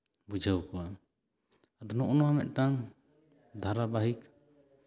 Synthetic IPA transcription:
bud͡ʒʱəwkɔwa | ad̪nɔʔɔnɔwamɛ̰ʔ̪̚ʈaŋ | d̪ʱaɾabaɦik

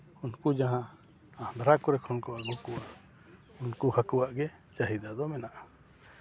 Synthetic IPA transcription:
unkud͡ʒaɦã | ahd̪ɾakɔɾɛkʰɔnkɔwaɡɔkua | unkuhakuwaʔɡɛ | t͡ʃaɦid̪ad̪ɔmɛnaʔa

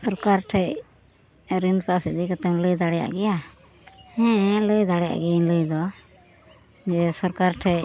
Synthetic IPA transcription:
sɔɾkaɾʈʰɛj | ɾinpasid̪ikət̪ɛmləjd̪aɽɛja̰ʔɡɛja | hɛ̃ləjd̪aɽɛja̰ʔɡɛləjd̪ɔ | d͡ʒɛsɔɾkaɾʈʰɛj

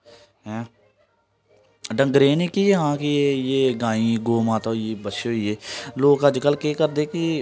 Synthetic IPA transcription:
ɦɛ̃ | ɖə̃ŋɡɾeːnikijeɦãːkiejeːɡãːĩːɡoːmãːt̪aieːbəʃeoieːloːɡəd͡ʒkəlkeːkəɾd̪eːki

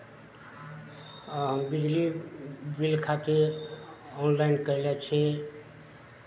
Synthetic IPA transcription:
ɦəmbid͡ʒlibilkʰat̪e | ɔnlainkəɾilɛt͡ʃʰɛ

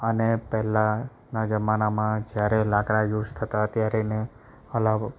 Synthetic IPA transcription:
ənepɛɦlã | nad͡ʒəmanamãd͡ʒjaɾelãkɽajuʃt̪ʰət̪at̪jaɾine | əlab

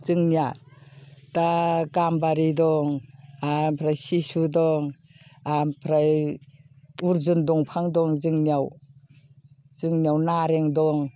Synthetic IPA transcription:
zɯŋnia | taɡambaɾidɔŋampʰɾajsisudɔŋ | ampʰɾaj | uɾzundɔŋpʰaŋdɔŋzɯŋniaw | z̥ɯŋnijawnaɾeŋdɔŋ

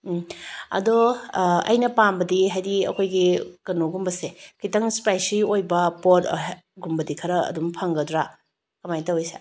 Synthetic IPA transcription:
ɐ̰dɔɐ̰jnɐpambɐdiɦajdiɐ̰kʰojɡikɐnoɡumbɐsekitɐŋspajsiojbɐpot | ɡumbɐdikʰɐɾɐɐ̰dumpʰɐŋɡɐdɾa | kɐmajtɐwijsḛ

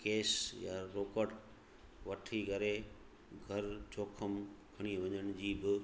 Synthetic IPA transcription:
keːsjaɾoːkəʈ | ʋɐʈʰiɡʱɐɾe | ɡʱɐɾt͡ɕʰoːkʰəmkʰɐɽ̃iʋɐ̃ɲəɽ̃d͡ʑiːbɪ

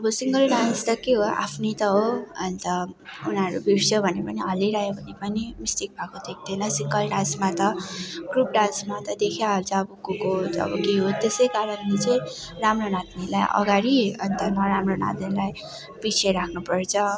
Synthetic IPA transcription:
ʌbʌsiŋɡʌlɖanst̪ʌkeɦoa̰pʰnʌt̪ʌɦoʌnt̪ʌunʌɾubʱirsʰobʱʌnepʌniɦʌleɾaɦebʱʌnepʌnimisʈik̚bʱakod̪ek̚ʰd̪enʌsiŋɡʌlɖãnsmat̪ʌɡ̥rup̚ɖansmat̪ʌd̪ekʰjaɦolt͡sʰʌːbukukotʌ̰bʌkeɦot̪esʌjkaɾʌnlet͡sʌĩramronad̪nila̰jʔʌ̰ɡaɾiʌ̰nt̪ʌmʌɾamrona̰t̪nilaj | b̥it͡sʰeɾakʰnupʌrt͡sʰʌ

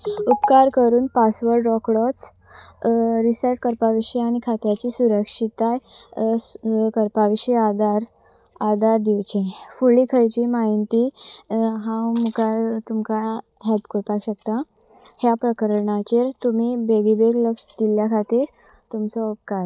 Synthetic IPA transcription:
upkaɾkəɾuːnpasʋəɾɖɾɔkɽɔt͡s | ɾisəʈ̚kəɾpaʋiɕiaɽ̃ikʰat̪jat͡ɕiːsuɾəkʂit̪aj | kəɾpaʋiɕiad̪aɾ | ad̪ʱaɾd̪iwt͡ɕẽfuɭiːkʰəjt͡ɕiːmaɦint̪i | ɦãwmukaɾt̪umka | ɦɛlpkoɾpakɕək̚t̪a | hjapɾəkəɾɳat͡ɕeɾt̪um̤iːbeɡibeɡləkʂd̪iljakʰat̪iːɾ | t̪umt͡sɔup̚kaɾ

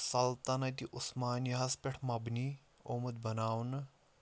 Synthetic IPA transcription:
sɐlt̪anɐt̪iʔʊsmaːnjɦaːspʲɛʈʰmɐbni | oməd̪̚bɐnaːwn

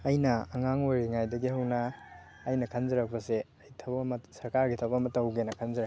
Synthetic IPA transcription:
ɐjnɐːŋaŋojɾiŋajdɐɡiɦɐwnɐː | jnɐkʰɐnzɐɾɐk̚pɐse | ɐjtʰɐbmɐsɐɾkaɾɡitʰɐbɐmɐtːɐwɡenɐkʰɐnzɐɾɐk̚

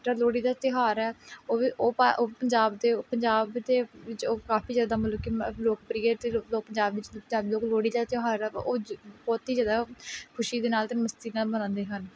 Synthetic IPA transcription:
ʈəɾloːɽiːd̪aːt̪ɪɦaːɾɛːoːoːpaopəɲd͡ʒaːbd̪eːpəɲd͡ʒaːbt̪eːʋɪt͡ʃoːkaːpiːzaːd̪aːmələkkːiloːkpɾiːət̪eloːpəɲd͡ʒaːbʋɪt͡ʃpəɲd͡ʒaːbd̪eːloːkloːɽiːd̪aːt̪ɪɦaːɾɛ̰ːoːbɔːt̪iːzaːd̪aːkʰʊʃiːd̪eːnaːlt̪eːməst̪iːnaːbənãːnd̪eːɦən

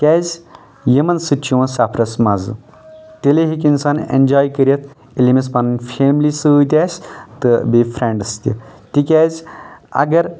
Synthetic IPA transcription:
kʲaːzʲ | jɐmɐnsɨt͡ʃiwɐnsaːpʰɾɐsmazɨ̰ | t̪eleɦik̬insanḛnʲd͡ʒaːjkəɾet̪̚ | elimis̬panɨnfʰemlisɨut̪ʲasʲt̪ɨbifʰɾeɳɖɐst̪ʲḭt̪ikʲaːzʲɐ̰ɡɐɾ

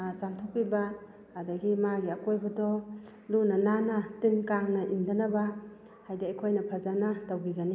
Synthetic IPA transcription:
samtʰɔk̚piba | adaɡimaɡiakojbadɔlunananatɯnkaŋnɐʔindanaba | hajdiakʰojnɐpʰazanatawɡiɡani

